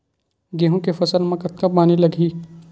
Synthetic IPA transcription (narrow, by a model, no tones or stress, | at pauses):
ɡeɦõkefɐsəlmɐ̃kɐt̪̚kapaːnilɐɡʱiː